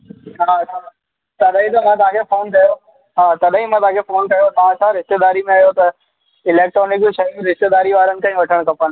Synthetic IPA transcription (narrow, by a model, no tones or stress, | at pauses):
ɦaːɐt͡ʃʰa | t̪ɐɗɦĩt̪ɐmãːt̪ɐãkʰefoːnk̪ʰɐjo | ɦaːt̪ɐɗɦĩmãːt̪ɐ̃ãkʰefoːnkɐjot̪aːsaɾɪst̪ed̪aːɾimẽaɦjot̪ɐ | ɪleːk̚ʈɾɔːnɪk̚d͡ʑʃɐɦim̃ɾɪst̪ed̪aːɾiʋaːɾənɪ̆kʰãʋɐʈʰəɽ̃kɐpən